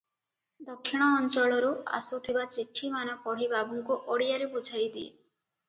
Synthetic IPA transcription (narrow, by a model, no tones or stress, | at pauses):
d̪ɔkʰːiɽ̃ɔːnt͡ʃɔɭɔɾua̰sut̪ʰibat͡ʃiʈʰːimanɔpɔɽ̤ibabuŋkuʔɔɽijaɾebud͡ʒʱajd̪iḛ